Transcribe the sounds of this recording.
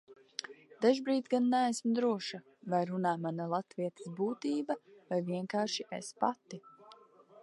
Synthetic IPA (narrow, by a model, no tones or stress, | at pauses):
d̪̥aʒbɾiːt̪ɡanːææsmd̪ɾuɔʃa | vajɾunaːmanalˠat̪viɛt̪ə̥sbuːt̪iːbavajviɛŋkaːɾʃiʔespa̰t̪i